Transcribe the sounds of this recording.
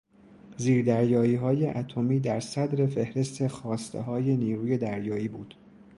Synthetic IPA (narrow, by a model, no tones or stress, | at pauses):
ziːɾd̪æɾjɒːiːɦɒːjeʔæt̪ʰo̞miːd̪æɾsæd̪ɾe̞fe̞hɾe̞st̪ʰexɒːst̪ʰḛɦɒːje̞niːɾuːje̞d̪æɾjɒːiːbuːd̪̥